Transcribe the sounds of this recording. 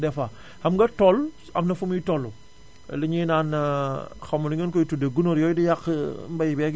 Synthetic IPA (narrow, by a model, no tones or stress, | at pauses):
dɛfa | hɐmɡɐtɔl | ɐ̰mnɐfumjitɔlːṵ | liɲinaːn | xɐmuniŋɡənkɔjtudeɡunoɾjɔːjdijakmbɐjibɛɡ